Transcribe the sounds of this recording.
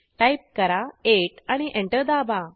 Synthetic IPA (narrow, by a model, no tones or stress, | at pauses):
ʈajp̚kəɾaeʈañiʔẽɳʈəɾd̪aba